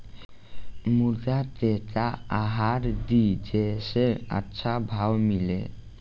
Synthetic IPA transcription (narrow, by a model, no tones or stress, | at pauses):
mud̪atetaaɦaɾd̪id͡ʒesea̰tːʃʰabʱawmilḛ